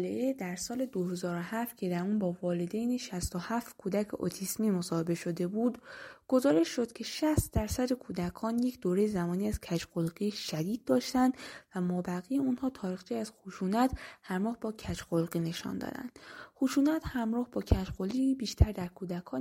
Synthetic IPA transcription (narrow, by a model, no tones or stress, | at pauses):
leʔed̪æɾsɒːled̪ohe̞zɒːɾohæft̪cʰe̞d̪æɾuːnbɒːvɒːled̪ejneʃæst̪o̞hæft̪kʰuːd̪æcʰḛʔo̰t̪ʰismiːmo̞sɒːhe̞be̞ʃo̞d̪e̞buːd̪ɡ̥o̞zɒːɾe̞ʃːo̞d̪̥cʰe̞ʃæst̪d̪æɾsæd̪e̞kʰuːd̪ækʰɒːnjecʰd̪oːɾe̞jezæmɒːniːæz̥cʰæt͡ʃɢolɡiʃæd̪iːd̪̚ːɒːʃt̪ænd̪̥væmɒːbæɣijeunhɒːt̪ʰɒːɾiːxt͡ʃʰiːæz̥xuʃuːnæt̪hæɾmɒːhbɒːcʰæt͡ʃɢolɣine̞ʃɒ̰nd̪ɒ̰ːd̪æ̰nd̪̥xuʃuːnæt̪hæmɾɒːhbɒːcʰæt͡ʃɢoliibiːʃt̪ʰæɾd̪æɾkʰuːd̪ækʰɒː